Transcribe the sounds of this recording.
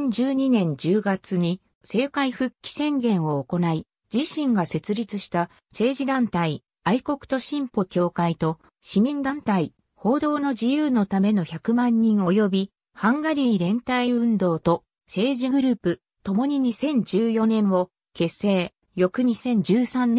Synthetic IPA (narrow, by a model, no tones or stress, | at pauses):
ɲd͡ʑɨːɲ̟inẽ̞ɲ̟d͡ʑɨːɡat͡sɨɲ̟i | se̞ːkaiɸɯ̟kʲːi̥sẽ̞ŋɡẽ̞ɰ̃o̞ːko̞nai | d͡ʑiɕĩŋɡase̞t͡sɨɾʲit͡sɨɕi̥t̪a | se̞ːʑid̪ãnt̪ai | aiko̞kɯ̟̥t̪o̞ɕĩmpo̞kʲo̞ːkait̪o̞ | ɕimʲĩnd̪ãnt̪ai | ho̞ːd̪o̞ːno̞d͡ʑijɯːno̞t̪ame̞no̞çakɯ̟mãɲ̟ːĩɰ̃o̞jo̞bʲi | hãŋɡaɾʲiːɾẽ̞nt̪aiɯ̟̃nd̪o̞ːt̪o̞ | se̞ːʑiɡɯ̟ɾɯ̟ːpɯ̟ | t̪o̞mo̞ɲ̟iɲ̟isẽ̞ɲ̟d͡ʑɨːjo̞nẽ̞ɰ̃o̞ | ke̞se̞ː | jo̞kɯ̟ɲ̟isẽ̞ɲ̟d͡ʑɨːsãnː